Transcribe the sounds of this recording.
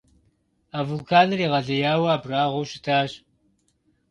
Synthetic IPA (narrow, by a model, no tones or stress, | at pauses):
aːvʊlkʰaːnɨriːʁɐɮɐjaːwaːbraːʁʷowɕɪtʰaːɕ